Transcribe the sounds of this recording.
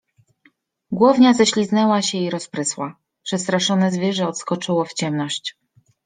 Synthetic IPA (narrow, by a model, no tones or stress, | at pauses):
ɡwɔvɲazɛɕlʲiznɛwaɕɛiɾɔspɾɘswa | pʂɛst̪ɾaʂɔnɛzvʲjɛʐɛɔt̪skɔt͡ʂɘwɔft͡ɕɛmnɔɕt͡ɕ